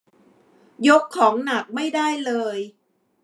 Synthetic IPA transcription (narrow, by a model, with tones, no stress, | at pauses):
jo˦˥kʰːɔː˩˦ŋna˨˩k̚ma˥˩jdaː˥˩jlɤː˧j